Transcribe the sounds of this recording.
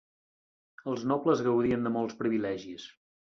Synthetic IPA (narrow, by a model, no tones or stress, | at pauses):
əlˠznɔpləzɣəwðiənd̪əmɔlˠspɾiβilɛʒis